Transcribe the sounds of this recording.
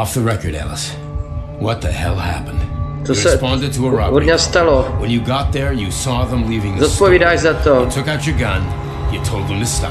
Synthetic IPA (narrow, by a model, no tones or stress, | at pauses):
ɔfðəɹɛkə˞ɾæ̰lˠəs | wʌt̪̚ðɨhɛ̰lˠhæ̰pə̃nd̥t̪ossɛspɑ̃ndɨd̚tʰəəɹaodɲast̪alowə̃njɨɡɑt̪̚ðə˞jɨsɔðə̃mlivɪ̃ŋðzɔt̪̚poviːdaːʃzat̪otʰʊkaʊt͡ʃə˞ɡʌ̃n | jɨtʰoʊlˠd̪̚ðə̃mʰɨstɑ̰